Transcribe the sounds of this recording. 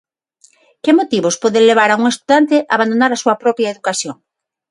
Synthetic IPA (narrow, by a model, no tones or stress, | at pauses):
kemot̪iβospoðeleβ̞aɾauŋest̪uðant̪ɪʔaβand̪onaɾasuɐpɾɔpjaeðukasjoŋ